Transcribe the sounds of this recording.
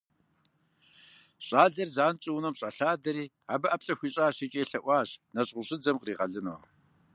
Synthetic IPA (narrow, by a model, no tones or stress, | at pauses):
ɕʼaːɮɐrzaːnt͡ʃʼiwnɐmɕʼɐɬaːdɐɾiː | aːbɐʔɐpɬʼɐxʷiːɕʼaːɕit͡ʃʼeːɬɐʔʷɑːɕnɐɕʼʁʷʊɕʼɪɨd͡zɐmqriːʁɐɮɨno̰ː